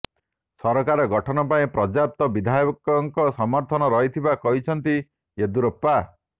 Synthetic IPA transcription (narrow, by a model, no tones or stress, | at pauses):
sɔɾɔkaɾɔɡɔʈʰɔnɔpaĩpɾɔd͡ʒap̚t̪ɔbid̪ʱajɔkɔŋkɔsɔmɔɾt̪ʰɔnɔɾɔɦit̪ʰibakɔɦit͡ʃʰɔnt̪i | ed̪uɾɔpːa